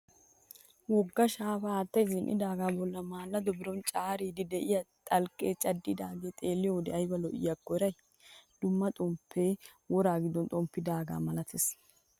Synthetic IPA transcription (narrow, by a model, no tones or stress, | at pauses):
wɔɡːɐʃaːbɐːt̪ːɐjzɪnʔɪ̰d̪aːɡaːbɔlːɐmaːlːɐd̪ɔbɪɾɔnt͡ʃʼaːɾiːd̪ɪd̪ɛʔɪjɐt̪ʼɐlkʼeːt͡ʃʼɐd̪ːɪd̪aːɡeːt̪ʼe̞ːlːɪjod̪ɛɐjbɐlɔʔɪ̰jɐkːɔɪɾɐj | d̪̥ʊmːɐt̪ʼɔmpʰːeː | wɔɾaːɡɪd̪ɔnt̪ʼɔmpːɪd̪aːɡa̰ːmɐlɐt̪ʰeːs